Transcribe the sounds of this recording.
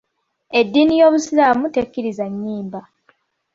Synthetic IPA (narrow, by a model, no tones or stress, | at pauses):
e̞dːinijo̞ːβusilamutekːiɾizaɲːiːmba